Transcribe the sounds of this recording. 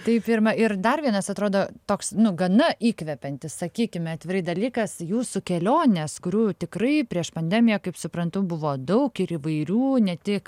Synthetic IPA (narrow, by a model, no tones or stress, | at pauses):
t̪ɐɪppʲirmɐɪrd̪ɐrʋʲiɛnɐsɐt̪ɾoːd̪oːt̪oːksnʊɡɐnɐʔiːkʋʲɛpʲɛnʲt̪ʲɪssɐkʲiːkʲɪmʲɛɐːt̪ʲʋʲɪɾɐɪd̪ɐlʲiːkɐsjuːsʊkʲɛlʲoːnʲeskʊɾʲuːt̪ʲɪkrɐɪpʲɾʲiɛʃpɐnʲd̪ʲɛːmʲɪjɛkɐɪpsʊpɾɐnt̪ʊbʊʋoːd̪ɐʊkɪɾiʋɐɪɾʲuːnʲɛt̪ʲɪk